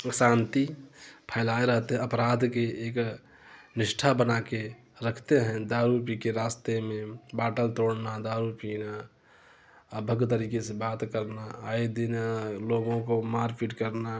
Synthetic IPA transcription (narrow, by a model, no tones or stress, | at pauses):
sãnt̪ipʰəɪlaeɾəɦt̪eɦɛ̃əpɾad̪ʱkeek | niʃʈʰabənake | ɾəkʰt̪eɦɛ̃d̪aɾupikeɾast̪emẽbaʈəlt̪oɽnad̪aɾupina | əbʱəɡt̪əɾikesebat̪kəɾnaːid̪inaloɡõkomaɾpiʈkəɾna